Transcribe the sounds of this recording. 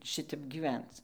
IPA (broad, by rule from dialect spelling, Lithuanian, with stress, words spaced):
ˈʃʲɪtʲɛp ɡʲɪˈʋʲɛnt͡s